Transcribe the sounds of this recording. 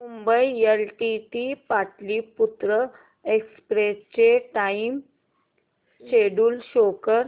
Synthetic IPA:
mumbəielʈiʈipaʈliːput̪ɾə | ekspɾest͡ɕeʈaim | ɕeɽuːlɕokəɾ

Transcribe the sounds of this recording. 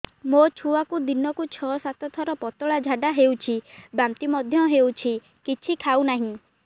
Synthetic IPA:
mot͡ʃʰuakud̪inɔkut͡ʃʰɔsat̪ɔt̪ʰɔɾɔpɔt̪ɔɭad͡ʒʱaɖaɦewt͡ʃʰibamt̪imɔd̪ʱjɔɦewt͡ʃʰi | kit͡ʃʰikʰawnaɦĩ

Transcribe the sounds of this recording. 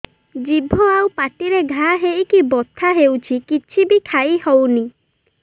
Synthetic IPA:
d͡ʒibʱɔawpaʈiɾeɡʱaɦejkibɔt̪ʰːaɦewt͡ʃʰikit͡ʃʰibikʰajhɔwni

